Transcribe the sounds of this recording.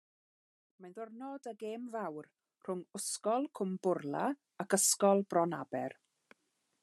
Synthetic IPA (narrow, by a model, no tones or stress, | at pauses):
majnðɔrnɔdəɡeːmvawr | r̥ʊŋʊskɔlˠkʰʊmbʊrlˠa | akəskɔlˠbrɔnabɛ̰r